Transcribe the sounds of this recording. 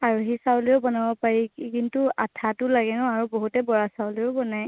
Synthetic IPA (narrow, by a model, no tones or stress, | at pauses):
aɹuɦisawliʊbɔnabɔpaɹikintuatʰatʊlaɡɛnʊaɹubɔɦutɛbɔɹasawliʊbɔnaj